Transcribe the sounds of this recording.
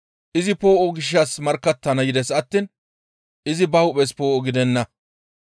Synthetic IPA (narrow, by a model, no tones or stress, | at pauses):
ʔɪzɪpo̞ːʔɔɡɪʃ̬ːɐsmɐɾkːɐt̪ːɐnɐjɪd̪ɛsɐt̪ːin | ɪzɪbɐwʊpɛspo̞ːʔɔɡɪd̪ɛnːɐ